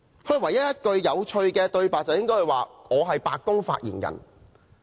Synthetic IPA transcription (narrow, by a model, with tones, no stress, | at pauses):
hɵ˧ɥwɐ˨˩jɐ˦˥t̚jɐ˥t̚kɵ˧ɥjɐ˨˧wt͡ʃʰɵ˧ɥkɛː˧t̪ɵ˧ɥpaː˨t͡sɐ˨wjɪ˥ŋkɔː˥hɐ˨jwaː˨ŋɔː˨˧ɦɐ˨jpaː˨k̚kːʊ˥ŋfa̰ː˧t̚jḭː˨˩njɐ̰˨˩n